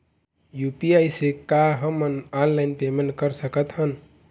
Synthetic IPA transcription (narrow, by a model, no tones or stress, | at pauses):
jupiajsekaɦəmənanlajnpemeɳʈkəɾsəkət̪ɦən